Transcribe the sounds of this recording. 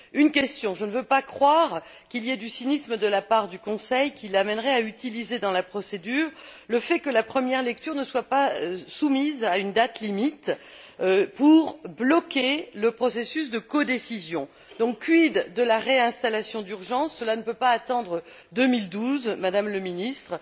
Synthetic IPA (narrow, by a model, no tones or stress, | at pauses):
ynkʲɛst̪jɔ̃ʒənəvøpakχwaʁ | kʲiljɛd̪ysinisməd̪əlapaʁd̪ykɔ̃sɛjkʲilamɛnʁɛayt̪ilized̪ɑ̃lapχɔsed̪yːʁləfɛkəlapχəmjɛʁlɛk̚t̪yʁnəswapasumizaynd̪at̪limit̪ | puʁblɔkʲeləpχɔsesys̬d̪əkɔd̪esizjɔ̃ | d̪ɔ̃kːɥid̪d̪ːəlaʁeɛ̃st̪alasjɔ̃d̪yʁʒɑ̃sːəlanəpøpaːt̪ɑ̃d̪ʁə | d̪əmild̪uzmad̪amləminist̪χ